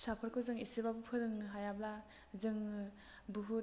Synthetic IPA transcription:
sapʰɯɾkʰɯzɯŋisebabupʰɯɾɯŋɦajabla | zɯŋ | buɦuɾ

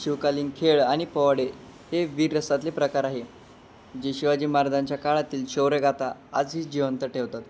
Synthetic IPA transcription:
ɕiʋkaliːnkʰeɭaɽ̃ipəʋɽe | heʋiːɾɾəsat̪lepɾəkaɾaɦe | d͡ʑeɕuʋad͡ʑiːmaɾd̪aɲt͡ɕjakaɭat̪iːlɕeʋɾeɡat̪aa̰d͡zɦiːd͡ʑiʋənt̪əʈʰeʋt̪at̪

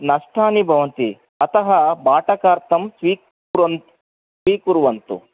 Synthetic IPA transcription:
nɐʂʈʰaːnibʱɐʋɐnt̪i | ɐt̪ɐɦɐbʱaːʈɐkaːɾt̪ɐmsʋiː | ɐn | sʋiːkuɾuʋɐnt̪ṵ

